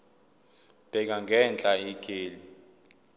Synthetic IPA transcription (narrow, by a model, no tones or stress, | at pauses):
b̥ʱɛk̬aŋɡʱɛnt͡ɬʼaikʼeːli